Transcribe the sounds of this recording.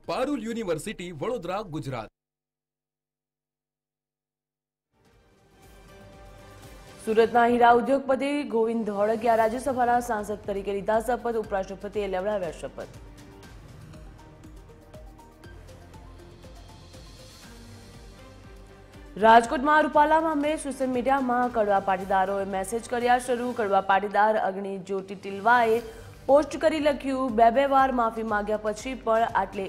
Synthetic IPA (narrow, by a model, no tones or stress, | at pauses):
paɾuljuniʋəɾsiʈiʋəɽod̪ɾaɡʊd͡ʒɾa̰t̪̚ | suːɾət̪naɦiɾaud̪joɡ̚pəd̪eɡoʋind̪ʱɦɔɭəkjaɾad͡ʒjəsəbʱanasãnsəd̪̚t̪əɾikelid̪ʱasəpət̪upɾaʃəpət̪eleʋɭaʋjaʃəpə̰t̪ | ɾad͡ʒkoʈmãɾupalamãmlesoʃəlmiɖijamãkəɽʋapaʈid̪aɾoemɛsed͡ʒkəɾjaʃəɾũkəɽʋapaʈid̪aɾə̰ɡɳid͡ʒoʈiʈilʋae | posʈkəɾiləkʰjũbɛbɛʋaɾmafimãɡjapət͡ʃʰipəɳaʈle